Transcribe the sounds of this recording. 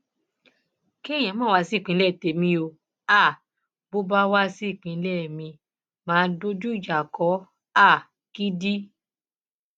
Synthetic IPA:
ki˦˨j̃ã˨˦mãː˦˨wa˧si˦˨k͡pĩ˨˧˦lɛ˦˨te˨mĩ˧o˧ | a˦˨ | bo˦ba˦wa˦si˦˨k͡pĩ˨˧˦lɛ˦˨mĩ˧ | mãː˨˦do˦d͡ʒu˦i˦˨d͡ʒa˨kɔ˨˦ | a˦˨ | ki˦di˦

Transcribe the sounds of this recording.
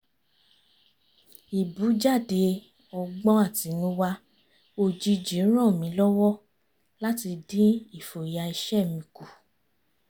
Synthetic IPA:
i˨bu˨˦d͡ʒa˦˨de˧ | ɔ˧ɡ͡bɔ̃˦a˦˨ti˨˦nũ˦wa˧ | o˧˨d͡ʒi˧d͡ʒi˨˦ɾ̃ɔ̃˦˨mĩ˨˦lɔ˦wɔ˦˨ | la˦ti˧dĩ˦i˦˨fo˨ja˧i˧ʃɛ˦˨mĩ˨˧ku˨

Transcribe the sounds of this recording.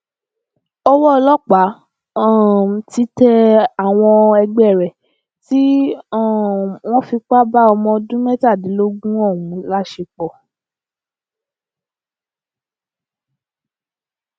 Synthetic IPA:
ɔ˦wɔ˦˧lɔ˦k͡pa˨˦ | a˦˨ti˧˦tɛ˧a˦˨w̃ɔ̃˧ɛ˧ɡ͡bɛ˦˨ɾɛ˨ | ti˦˨ | w̃ɔ̃˦fi˧k͡pa˦ba˦ɔ˧mɔ̃˧dũ˦mɛ̃˦ta˦˨di˨˦lo˦ɡũ˦ɔ˦˨wũ˨˦la˦ʃe˧k͡pɔ˦˨

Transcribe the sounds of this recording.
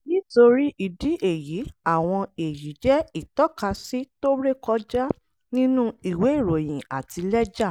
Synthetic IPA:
nĩ˦to˧ɾi˦ʔi˧˨di˨˦ʔe˨ji˨˦a˦˨w̃ɔ̃˧e˨ji˨˦d͡ʒɛ˦i˦˨tɔ˦ka˧si˦to˦bɾe˦kɔ˧d͡ʒa˦ | nĩ˦nũ˦i˨we˨˦i˦˨ɾo˨j̃ĩ˨a˨ti˧lɛ˦d͡ʒa˦˨

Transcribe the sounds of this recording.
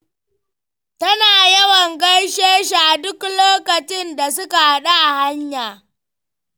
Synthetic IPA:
tɐ˦naː˨jɐ˦wɐ˨ŋɡɐ˦jʃeː˦ʃi˨ʔa˨dʊ˦kloː˦kɐ˨t͡ʃɪ˦nda˨s̬ʊ˦ka˨ha˦ɗa˦ʔa˨ha˦ɲjaː˨

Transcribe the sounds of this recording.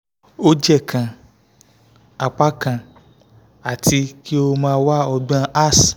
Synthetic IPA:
o˧d͡ʒɛ˦˨kʰã˨ | a˧k͡pa˦kã˧˨ | a˨tʰi˧˦ki˦o˧mãː˦˧˦wa˦ɔ˧ɡ͡b̃ã˧ʔa˦˨s

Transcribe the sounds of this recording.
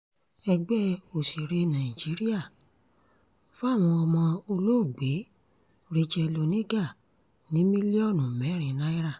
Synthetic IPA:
ɛ˧ɡ͡bɛ˦o˨si˨ɾe˧nã˨i˨d͡ʒi˨˦ɾi˦a˦˨ | fo˦a˦˨w̃ɔ̃˧ɔ˧mɔ̃˧o˧lo˦˨ɡ͡be˨˦ | ɾi˧d͡ʒɛ˧lo˧nĩ˦ɡa˦˨ | nĩ˨˦mĩ˦li˦ɔ˦˨nũ˨mɛ˨˦˨ɾ̃ĩ˨˦nã˦i˦ɾa˦˨

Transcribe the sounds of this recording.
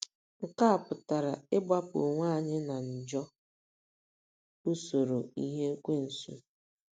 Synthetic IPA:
ŋ̩˨ka˦a˨pʊ˨ta˨ɾa˨ɪ˦ba˦pʊ̰˨ŋʷaː˦˨ɲɪ˦na˨n̩˨d͡ʒɔ˦ | u˦so˨ɾo˨i˦ɦe˦kʷe˦n̩˨sṵ˦

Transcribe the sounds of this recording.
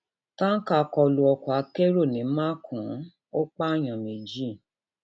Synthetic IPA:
tã˦ka˧˨˧kɔ˧lu˧ɔ˧kɔ˨a˨˧˦ke˦ɾo˦˨nĩ˨˦mã˦kʰũ˨˦ | o˦k͡pa˦˨j̃ã˨me˨d͡ʒi˦˨

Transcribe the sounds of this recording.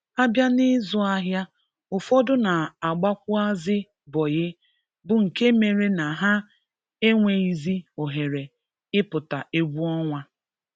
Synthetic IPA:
a˦bja˦nɪ˦zʊ˦a˦ɦja˦ | ʊ˨fɔ˦dʊ˦na˨a˨ɡ͡ba˦kʷʊ˦a˦zɪ˦ | bɔ˨jɪ˦ | bʊ˨ŋ̩˨ke˦me˨ɾe˦na˨ɦa˦ | e˦ŋʷe˨i˦zi˦o˨ɦe˨ɾe˨ | ɪ˦pʊ˨ta˨ʔe˦ɡʷu˦ɔ˦ŋʷa˦

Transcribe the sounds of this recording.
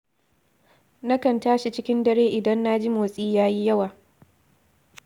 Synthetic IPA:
nɐ˦kɐ˨ntaː˦ʃi˨t͡ʃɪ˦kʲɪ˦ndɐ˦ɾeː˦ʔɪ˨dɐ˦nːa˦d͡ʒi˦moː˨sʼiː˦jaː˦ji˦jɐ˦waː˨

